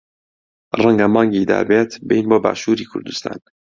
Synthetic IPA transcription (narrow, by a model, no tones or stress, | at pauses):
rəŋɡamɑːŋɡiːd̪a̰ːbeːt̪ʰbejnboːba̰ːʃuːɾiːkʰṵɾd̪ust̪ʰa̰ːn